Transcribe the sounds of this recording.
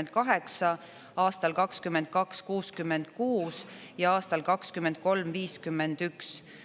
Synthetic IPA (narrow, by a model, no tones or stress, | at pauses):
nd̪̥̚kɑɦe̞ksɑ | ɑːst̪ɑlkɑkskymːend̪̥̚kɑkskuːskymːend̪̥̚kuːs | jɑɑːst̪ɑlkɑkskymːend̪̥̚ko̞lmviːskymːend̪̥yks